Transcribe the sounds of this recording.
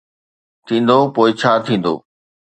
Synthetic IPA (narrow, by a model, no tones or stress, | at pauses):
t̪ʰĩːn̆d̪opoːɪt͡ɕʰaːt̪ʰĩːn̆d̪o̰ː